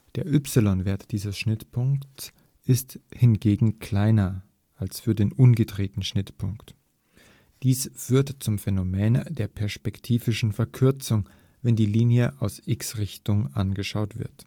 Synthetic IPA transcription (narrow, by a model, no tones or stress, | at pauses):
d̥eːɐʔʏpsɪlɔnveːɐtd̥iːzəsʃnɪtpʰʊŋkts | ʔɪsthɪnɡeːɡŋ̩kʰl̥aɪnɐ | ʔalsfyːɐdeːnʔʊnɡədʁeːtn̩ʃnɪtpʰʊŋkt | d̥iːsfyːɐtt͡sʊmfɛnomeːndeːɐpʰɛɐspɛktʰiːvɪʃn̩fɛɐkʰʏɐt͡sʊŋ | vɛndiːliːnjəʔaʊsʔɪksʁɪçtʊŋʔa̰nɡəʃaʊtv̥ɪ̰ɐt